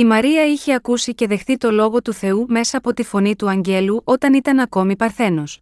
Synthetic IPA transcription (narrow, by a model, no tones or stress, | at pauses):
imɐɾiɐiçeɐkusice̞ðe̞xθit̪o̞lo̞ɣo̞t̪uθe̞ume̞sɐːpo̞t̪ifo̞nit̪uɐɲɟe̞luʔo̞t̪ɐnit̪ɐnɐko̞mipɐɾθe̞no̞s